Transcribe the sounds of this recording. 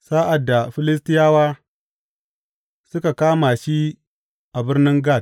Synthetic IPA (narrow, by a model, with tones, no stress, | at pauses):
saː˦ʔa˨dːa˨ɸɪ˦lɪ˦s̬tɪ˦jaː˦waː˦ | sʊ˦ka˨kaː˦ma˨ʃi˦ | ʔa˨bɪ˦rnɪ˦ŋɡa˦˨d̚